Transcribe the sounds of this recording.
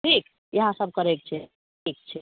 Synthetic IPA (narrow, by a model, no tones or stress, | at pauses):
ʈʰik | jəɦãsəb̚ʱkəɾek̚t͡ʃʰɛ | ʈʰik̚t͡ʃʰɛ